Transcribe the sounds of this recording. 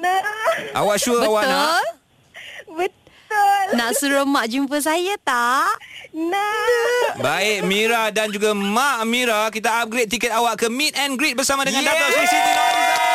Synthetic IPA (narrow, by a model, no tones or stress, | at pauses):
aʔa̰waʔʃuəbəawanal | bət̪ | ʊlnaʔsuɾəmaʔd͡ʒumpəs̬ajat̪aʔna | baɪʔmĩɾadand͡ʒuɡamãʔmĩɾakit̪aap̚ɡɾet̪̚ːikɛt̪̚awaʔkəmĩt̪̚ɛnɡɾit̪̚bəɾsamãdəŋãndat̪asulsit̪u